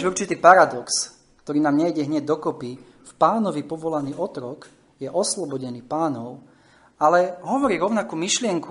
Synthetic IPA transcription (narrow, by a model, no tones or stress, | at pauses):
ʒuɾt͡ʃit̪iːpaɾad̪ɔks | kt̪ɔɾiːnaːmɲɛjɟɛɦɲɛɟ̚d̪ɔkɔpi | fpaːnɔʋipɔʋɔlaniːʔɔt̪ɾɔk | jɛʔɔslɔbɔɟɛniːpaːnɔʊ | alɛɦɔʋɔɾiːɾɔʊnakuːmiʃlɪɛŋku